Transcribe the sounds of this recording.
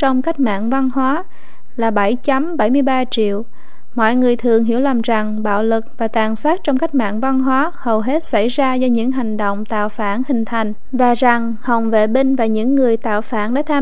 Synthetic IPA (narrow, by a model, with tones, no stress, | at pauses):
t͡ɕɔ˧wŋ͡mka˦˥jk̟̚ma̰ː˧˨ŋva˧nɦwaː˨˦ | laː˨˩ɓə˧˩jt͡ɕa˨˦mɓa˧˩jmɨ˧əjɓaː˧t͡ɕḭ˧˨əw | mɔ̰˧˨jŋɨ˨˩əjt̪ʰɨ˨˩əŋɦḭ˧˥əwlaː˨˩mza˨˩ŋɓa̰ː˧˨wlɨ˨˩k̚vaː˨˩t̪aː˨˩nsaː˦˥t̚t͡ɕɔ˧ŋ͡mka˦˥jk̟̚ma̰ː˧˨ŋva˧nɦwaː˨˦hə˨˩wɦe˦˥t̚sa˧˩jzaː˧zɔ˧ɲɨ̰˧˥ŋɦa˨˩jŋ̟ɗo̰˧˨wŋ͡mt̪a̰ː˧˨wfaː˧˩nhï˨˩ŋ̟t̪ʰa˨˩jŋ̟ | vaː˨˩za˨˩ŋ | hə˨˩wŋ͡mvḛ˧˨ɓï˧ŋ̟vaː˨˩ɲɨ̰˧˥ŋːɨ˨˩əjt̪a̰ː˧˨wfaː˧˩nɗa̰ː˧˥t̪ʰaː˧